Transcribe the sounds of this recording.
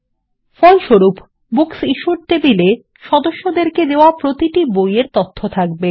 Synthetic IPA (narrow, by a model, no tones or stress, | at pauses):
fɔjʃoɾup | buksiʃuɾt̪ebile | ʃɔd̪oʃːod̪eɾked̪eoapɾot̪iʈibojeɾt̪ot̪ʰːot̪ʰak̚be